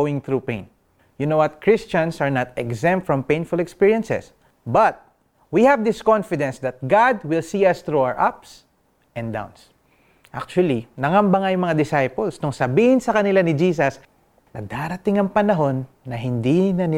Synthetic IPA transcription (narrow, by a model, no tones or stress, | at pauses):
owɪ̃ŋθɹupḛ̃j̃n | jʊnowɐt̪̚kʰɹɪst͡ʃɐ̃nsɐɹnat̪ɛɡzɛ̃mt̪fɹɔ̃mpẽj̃nfʊlɛkspiɹjɐ̃nsɛ̰s | bɐt̪̚ | wihɐvd̪ɪskɔ̃nfɪd̪ɛ̃nsd̪ɐt̪̚ɡad̪wɪlsiːɐst̪ɹoawəɹʔaps | ʔɛ̃nd̪ã̰w̃ns | ʔak̚t͡ʃʊwɐlinɐŋɐmbɐŋajʊŋmːɐŋad̪ɪsajpolsnʊŋsɐbiːhɪnsɐkɐnɪlanɪd͡ʒiːsɐs | nɐ̰d̪aɾɐt̪ɪŋɐŋpɐnɐɦo̞nːɐɦɪnd̪inɐnɪ